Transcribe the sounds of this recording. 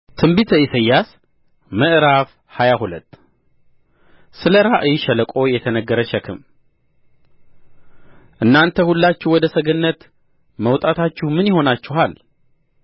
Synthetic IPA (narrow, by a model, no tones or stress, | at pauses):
t̪ʰɨmbit̪ʰəisəjːas | məʔɾaf | hajahulət̪ː | sɨləɾaʔɨjʃɛləkʼo̞jɛt̪ʰənəɡːəɾəʃɛkʰɨm | ʔɨnːant̪ʰəhulːat͡ʃːɪwɔd̪əsəɡənːət̪ | məwt̪ʼat̪ʰat͡ʃːɪhmɨnjɪho̞nat͡ʃːɪɦal